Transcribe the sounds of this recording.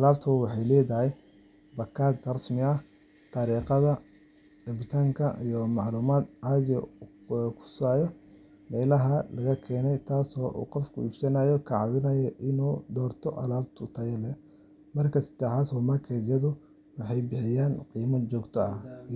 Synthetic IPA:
ʔɐlaːbt̪ʰɐwɑħɑjlɛːðɐɦɛj | bɐkʰaːd̪rɐsmɪɐ | t̪ʰaɾiːqɐðɐ | ɪbt̪ʰaːŋkʰɐʔḭjɔmɑʕluːmaːd̪ʕaðjɔ̰ | kʰʊ̥saːjɔ | mɛːlɐɦɐlɐɣɐkʰɛːnɛjt̪ʰaːsɔːʔṵːqɔfkʰʊ̰ḭːb̥sɐnaːjɔkʰɑʕɑwɪnɐjɔʔɪnuːd̪ɔːrt̪ʰɔʔɐ̰laːb̚t̪ʰʊt̪ʰɐjɛlɛ | mɐrkʰɐsɐ̥d̪̥ɛħaːswɑːmɐrkʰɛd̪jɐðʊ | wɑħɑjbɪħɪjaːnqiːmɐt͡ʃɔːɡt̪ʰɔɐ

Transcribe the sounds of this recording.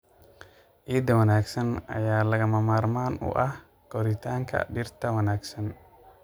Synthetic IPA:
ʔiːd̪ɐwɐnaːɡsɐnɐ̰jaːlɐɣɐmɐmaːrmaːnʊ̰ʔɐh | ɡ̥ɔɾɪt̪ʰaːŋkʰɐ̰ɖɪrt̪ʰɐwɐnaːɡsɐn

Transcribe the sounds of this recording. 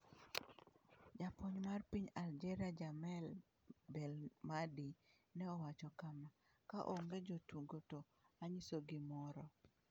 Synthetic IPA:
d͡ʒapoɲmarpiɲald͡ʒɛɾad͡ʒamɛl | bɛlmadi | nɛɔwat͡ʃɔkama | kaʔɔŋɡed͡ʒotuɡoto | aɲisoɡɪmɔɾɔ

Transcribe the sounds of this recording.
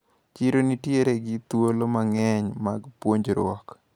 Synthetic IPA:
t͡ʃiɾonitjeɾeɡɪt̪wolomaŋɛɲmaɡpwoɲd͡ʒɾwɔ̰k

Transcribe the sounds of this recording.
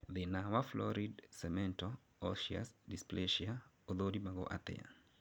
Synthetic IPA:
ðinawaflɔ̰ɾidsɛmɛ̃ntɔ | ɔʃia̰sdispleʃia | oðodimaɡo̰ʔa̰tɛ̰ja̰n

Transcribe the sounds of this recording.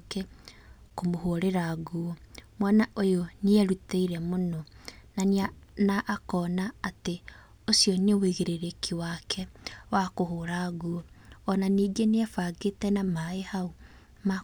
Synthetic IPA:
ke | komoɦoɾeɾaɡuɔmwanaʔojoniɛɾuteiɾɛmonɔnanianaʔːkɔːnaːte | osjɔneweɣeɾeɾekʰiwakʰɛwakoɦoːɾaɣuɔɔnaniːɡeneafaɡetɛnamaehau | ma

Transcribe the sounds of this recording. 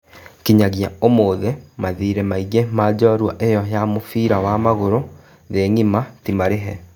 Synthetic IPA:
kiɲaɣiaomoːðemaðiːɾɛmaiɣemaːd͡ʑɔɾwaʔejɔɦjamofiːɾawamaɣoɾo | ðeŋimatimaɾeɦɛ

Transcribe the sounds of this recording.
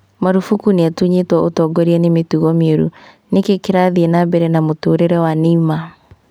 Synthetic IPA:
maɾufukuneatuɲetwɔʔotɔɡɔɾiɛnemetuɣɔmioɾṵ | nekekeɾaðiɛnabɛɾɛnamotoːɾeɾɛwanima

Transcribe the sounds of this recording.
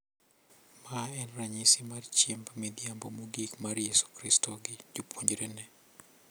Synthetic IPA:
maɛnraɲisɪmart͡ʃɛmbmɪd̪jambomuɡikmaɾjɛsu̥kɾistɔɡɪd͡ʒupwoɲd͡ʒɾenɛ

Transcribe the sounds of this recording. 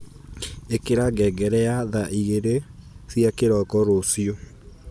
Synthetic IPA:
ekeɾaɡɛɡɛɾɛaðaʔiɣeɾesjakeɾɔkɔɾosjo

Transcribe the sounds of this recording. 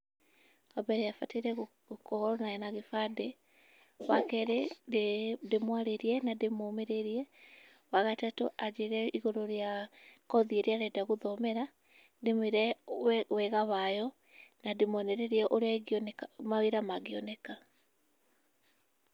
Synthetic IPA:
abɛɾɛafateɾɛɣ | kɔɾɔnaɛnaɣefade | wakɛɾeddemwaɾeɾiɛnademomeɾeɾiɛ | waɣatatoʔad͡ʒeɾɛiɣoɾoɾjakɔðieɾeaɾɛdaɣoðɔmɛɾa | demeɾɛwɛɣaβajɔ | nademɔnɛɾeɾiɛʔoɾaɡnmaweɾamaɡiɔnɛka

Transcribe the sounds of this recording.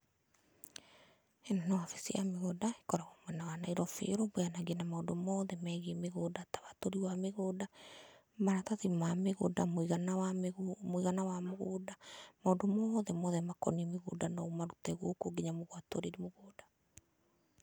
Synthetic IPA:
ɛnanawafe̥siameɣodaekɔɾaɣɔmwɛnawanaiɾɔfḛɾobojanaɡenamaondomɔːðɛmɛɣemeɣoːdaːtḁwatoɾiwameɣoːda | maɾataðimameɣo̰damoiɣanawamoiɣanawamoɣoːdamaondomɔðɛmɔðɛmakɔ̰niɛmeɣo̰ːdanɔumaɾutɛɣokoɡeɲamoɣwatoɾeɾimoɣoːda

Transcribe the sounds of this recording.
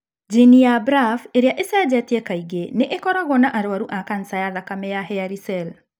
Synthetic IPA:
d͡ʒinijabɾafeɾeaʔesad͡ʑɛtɛkaiɣeneʔekɔɾaɣwɔnaʔaɾoaɾuʔakan̩sajaðakamɛjaɦɛaɾisɛl

